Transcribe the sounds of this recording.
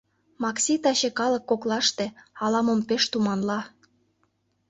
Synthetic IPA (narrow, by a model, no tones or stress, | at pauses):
mɑksʲit̪ɑɕekɑlɤ̆kːoklɑʃt̪ĕɑlɑmompeʃt̪umɑnlɑ